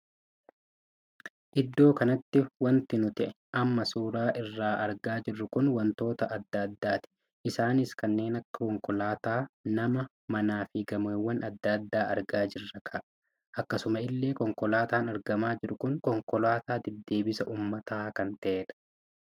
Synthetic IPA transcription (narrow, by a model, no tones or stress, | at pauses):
ʔɪd̪ːo̞ːkɐnɐt̪ːɪwɐnt̪ɪnʊt̪ɪʔɛ | ʔɐmːɐsuːɾaːʔɪrːaːʔɐɾɡaːd͡ʒɪrːʊkʊnwɐnt̪o̞ːt̪ɐʔɐd̪ːɐd̪ːaːt̪ɪ̥ | ʔɪsaːnɪskɐnːe̞ːnɐkːɐ̥kɔŋkɔlaːt̪aːnɐmɐ | mɐnaːfɪɡɐmewːɐnʔɐd̪ːɐd̪ːaːʔɐɾɡaːd͡ʒɪrːɐkʰɐʔɐ | ʔɐkːɐsʊmɐɪlːe̞ːkɔŋkɔlaːt̪aːnɐɾɡɐmaːd͡ʒɪɾʊkʊŋkɔŋkɔlaːt̪aːd̪ɛd̪ːe̞ːbɪsɐʔuːmːɐt̪aːkɐnt̪ɐʔeːᶑɐ̥